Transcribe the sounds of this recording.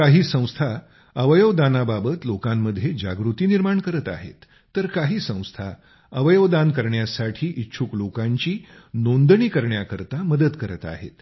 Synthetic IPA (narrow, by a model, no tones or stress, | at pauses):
kaɦiːsə̃w̃st̪ʰa | əʋəjəʋd̪anababət̪lokamːəd̪ʱjed͡ʑaɡɾut̪iːniɾmaɳkəɾət̪a̰ɦḛt̪ː | əɾkaɦiːsə̃w̃st̪ʰa | əʋəjəʋd̪ankəɾɳjasaʈʰiːʔitːɕʰuklokaɲt͡ɕiː | nond̪ɳiːkəɾɳjakəɾt̪aməd̪ət̪kəɾət̪a̰ɦḛt̪